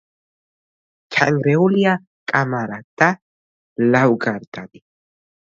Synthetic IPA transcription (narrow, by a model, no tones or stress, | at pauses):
kʰa̰ŋɡɾɛulija | kʼamaɾad̪a | lawɡaɾd̪ad̪i